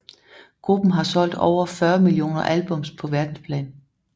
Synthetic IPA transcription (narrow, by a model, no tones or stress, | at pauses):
ɡ̥ʁub̥n̩ɦɑ̈sɒ̽l̰d̥ɒ̰ʊ̰ɐfɶːɐmilio̝̰ːnɐʔælb̥ɔ̽mspʰɒ̽ʋæɐd̥n̩spʰlɛ̰ːn